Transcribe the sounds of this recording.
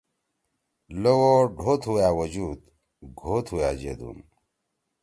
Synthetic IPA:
lowoɖʱoːt̪ʰujaːwɐd͡ʑuːd̪ | ɡʱoːt̪ʰhujaːd͡ʑḛd̪ṵːn

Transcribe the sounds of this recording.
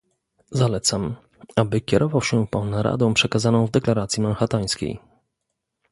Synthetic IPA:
zalɛt̪sam | abɘkʲɛɾʔɔvawɕɛpawnaɾa̰d̪ɔ̃w̃pʂɛkazanɔ̃w̃vd̪ɛklaɾat̪sjimanxat̪aj̃skʲḛj

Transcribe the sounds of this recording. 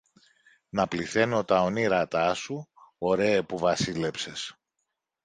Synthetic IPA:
nɐpliθe̞no̞t̪ɐo̞niɾɐt̪ɐsuo̞ɾe̞ːpuvɐsile̞pse̞s

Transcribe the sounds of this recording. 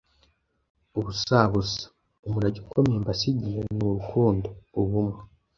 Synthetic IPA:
oβusaːβusḁ | omuɾaɟiukʰomeːmbasiɟienoɾukʰuːndoːβumwe

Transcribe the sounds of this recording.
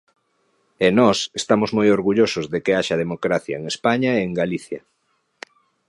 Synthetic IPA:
enɔsest̪amʊzmojoɾɣuʎosozðekeaʃɐðemokɾaθjɐ̰eŋespaɲaeːŋɡaliθjɐ̰

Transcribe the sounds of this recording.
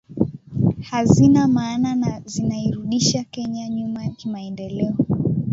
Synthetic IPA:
hazinamaːnanazinaiɾuɗiʃakɛɲaɲumajakimaɛndɛlɛɔ

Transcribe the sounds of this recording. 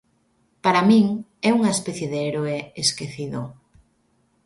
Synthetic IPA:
paɾamĩŋɛuŋaespɛθjeðeeɾoeeskeθiðo

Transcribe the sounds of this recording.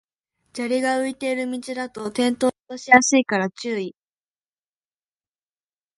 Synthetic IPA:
d͡ʑaɾʲiɡaɯ̟it̪e̞iɾɯ̟mʲit͡ɕid̪at̪o̞t̪ẽ̞nt̪o̞ːt̪oɕijasɨikaɾat͡ɕɨːi

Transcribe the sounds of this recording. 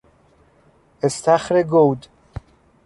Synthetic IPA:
est̪ʰæxɾeɡowd̪

